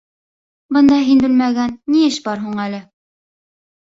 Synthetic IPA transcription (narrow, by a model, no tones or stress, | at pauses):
bɤ̆nd̪ɑɦinbɘ̆lmæɡænːiɘʃbɑɾɦuɴælɘ